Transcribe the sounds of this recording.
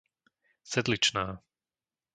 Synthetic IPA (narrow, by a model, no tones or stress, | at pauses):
sɛd̪lit͡ʃnaː